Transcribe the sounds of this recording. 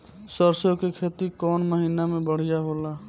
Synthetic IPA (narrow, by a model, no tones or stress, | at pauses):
səɾsõkekʰeːt̪ikɔːnməɦiːnamẽbəɽ̤ijaɦoːlaː